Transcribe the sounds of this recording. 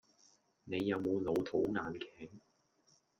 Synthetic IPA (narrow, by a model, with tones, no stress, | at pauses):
ne˨˧jːɐ˨˧wmo˨˧wlo˨˧wt̪ʰo˨˥wŋaː˨nkʰɛː˨˥ŋ